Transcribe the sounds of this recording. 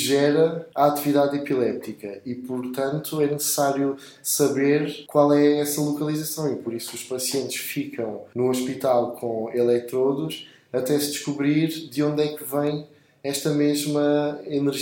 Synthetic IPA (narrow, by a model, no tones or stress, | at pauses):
ʒɛɾɐaat̪iviðaðepilˠɛp̚t̪ikɐipuɾt̪ɐ̃nt̪uɛnɨsɨ̥saɾju | sɐβeɾkwalˠɛɛsɐlˠukɐlˠizɐsɐ̃w̃ipɔɾisuːʃpɐsiẽnt̪ʃfikʰɐ̃w̃nuɔʃpit̪alˠkʰõilˠɛt̪ɾoðuʃ | ɐt̪ɛsɨd̪ɨʃkuβɾiɾd̪ɨõnd̪ɛkvɐ̃j̃ | ɛʃt̪ɐmeʒmɐinɨɾʒ